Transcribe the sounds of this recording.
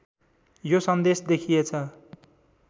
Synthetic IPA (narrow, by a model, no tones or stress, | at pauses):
josʌnd̪esd̪ekʰijet͡sʰʌ